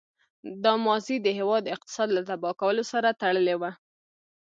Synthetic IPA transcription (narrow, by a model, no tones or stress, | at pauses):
d̪ɑmɑzid̪əɦewɑd̪ɪq̚t̪ɪ̥sɑd̪lat̪abɑkawəlosaɾat̪aɽəlewa